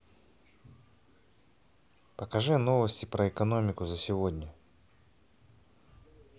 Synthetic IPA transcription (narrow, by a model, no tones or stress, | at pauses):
pəkɐʐɨnovəsʲtʲɪpɾəɛkɐnomʲɪkʊzəsʲɪvodʲnʲə